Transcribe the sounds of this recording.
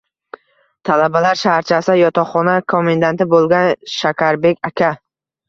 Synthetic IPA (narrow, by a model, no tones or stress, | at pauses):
t̪ʰalabalaɾʃahɾt͡ʃʰasjɒt̪ʰɒχːɒnakʰo̞mend̪ant̪ɪbolˠɡʲanʃakʲʰaɾbe̞kʲʰakʲʰa